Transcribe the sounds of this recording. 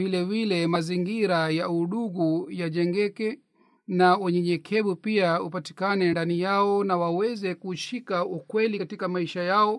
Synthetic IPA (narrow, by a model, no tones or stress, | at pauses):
vilɛvilɛmaziŋɡiɾajauɗuɣujaʄɛŋɡɛkɛ | naɛɲɛɲɛkʰɛɓupiaupati̥kanɛndanijaɔnawawɛzɛkuʃikaukwɛlikatikamaiʃajaɔ